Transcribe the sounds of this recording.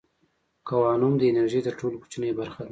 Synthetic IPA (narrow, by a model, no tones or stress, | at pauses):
kawɑnumd̪əenaɾʒit̪əɾʈoloku̥t͡ʃnəjbaɾxa